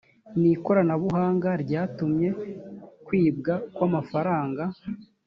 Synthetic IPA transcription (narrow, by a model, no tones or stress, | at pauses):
niko̞ɾanaβuɦaːŋɡaɾɟaːtumɲe̞kwiːb̚ɡakwamafaɾaːŋɡa